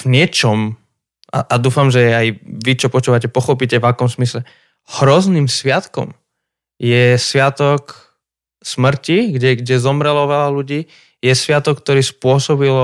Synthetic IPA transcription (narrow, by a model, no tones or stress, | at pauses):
vɲɪɛt͡ʃɔm | ʔa̰ʔad̪uːfamʒɛajʋit͡ʃɔpɔt͡ʃuːʋacɛpɔxɔpicɛvakɔmzmislɛ | hɾɔzniːmsʋɪat̪kɔ̰m | jɛsʋɪat̪ɔk | smr̩ciɡɟɛɡɟɛzɔmɾɛlɔʋɛlaluɟiː | jɛsʋɪat̪ɔkk̚ːt̪ɔɾiːspʊɔsɔbilɔ